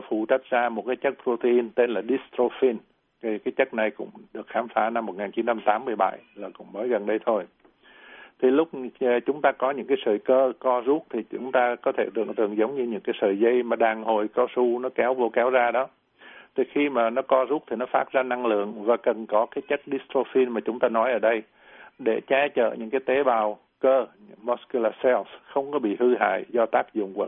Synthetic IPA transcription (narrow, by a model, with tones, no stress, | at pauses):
fṵ˧˩t͡ɕa˦˥k̚zaː˧mo˨˩t̚kaː˨˦jt͡ɕə˦˥k̚pɾo˧t̪ə˧ʔi˧nt̪e˧nlaː˨˩ɗi˦˥st̪ɾo˧fi˧n | kkaː˨˦jt͡ɕə˦˥t̚na˨˩jkʊ̰˧˥ŋ͡mɗɨ˨˩ək̚xaː˨˦mfaː˨˦na˧mːo˨˩t̚ŋaː˨˩nt͡ɕi˨˦nt͡ɕa˧mt̪aː˨˦mːɨ˧əjɓa̰˧˩jlaː˨˩kʊ̰˧˥ŋ͡mməː˨˦jɣə˨˩nɗə˧jt̪ʰo˧j | t̪ʰi˨˩lʊ˦˥k͡p̚ːt͡ɕʊ˨˦ŋ͡mt̪aː˧kɔ˨˦ɲɨ̰˧˥ŋkaː˨˦jsəː˧˨˩jkəː˧kɔ˧zu˦˥t̚t̪ʰi˨˩t͡ɕʊ˨˦ŋ͡mt̪aː˧kɔ˨˦t̪ʰe˧˩t̪ɨ̰˧˨əŋt̪ɨ˨˩əŋzə˨˦wŋ͡mɲɨ˧ɲɨ̰˧˥ŋkaː˨˦jsəː˨jzə˧jmaː˨˩ɗaː˨˩ŋho˨˩jkɔ˧su˧nɔ˨˦kɛ˨˦wvo˧kɛ˨˦wzaː˧ɗɔ˨˦ | t̪ʰi˨˩xi˧maː˨˩nɔ˨˦kɔ˧zu˦˥t̚t̪ʰi˨˩nɔ˨˦faː˦˥t̚zaː˧na˧ŋlɨ̰˧˨əŋvaː˨˩kə˨˩nkɔ˨˦kaː˨˦jt͡ɕə˦˥k̚ɗi˦˥st̪o˧fi˧nmaː˨˩t͡ɕʊ˨˦ŋ͡mt̪aː˧nɔ˨˦jʔəː˧˩ɗə˧j | ɗe˧˩t͡ɕaː˧t͡ɕə̰ː˧˨ɲɨ̰˧˥ŋkaː˨˦jt̪e˨˦ɓaː˨˩w | kəː˧ | mɔ˦˥sku˧laː˧sɛ˧sxə˧wŋ͡mkɔ˨˦ɓḭ˧˨hɨ˧ɦa̰ː˧˨jzɔ˧t̪aː˦˥k̚zʊ̰˧˨ŋ͡mkwə̰˧˨